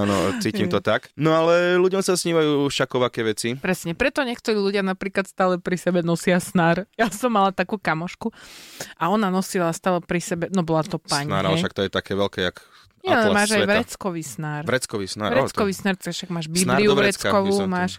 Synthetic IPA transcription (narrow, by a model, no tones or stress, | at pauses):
anɔt͡siːcimt̪ɔt̪aknɔalɛluɟɔmsasɲiːʋajuːʃakɔʋakɛʋɛt͡sipɾɛsɲɛpɾɛt̪ɔɲɪɛk̚t̪ɔɾiːluɟɪanapɾiːklat̪st̪aːlɛpɾisɛbɛnɔsɪasnaːɾjasɔmːalat̪akuːkamɔʃkuʔaɔnanɔsilast̪aːlɛpɾisɛbɛnɔbɔlat̪ɔpaɲna̰ɾalɛʃak̚t̪ɔjɛt̪akɛːʋɛlkɛja̰k | ɲɛalɛmaːʒajʋɾɛt͡skɔʋiːsnaːɾɾɛt͡skɔʋisnaːɾʋɾɛt͡skɔʋiːsnaːɾt̪akʃaɡmaːʒbinliuʋɾɛt͡skɔʋumaːʃ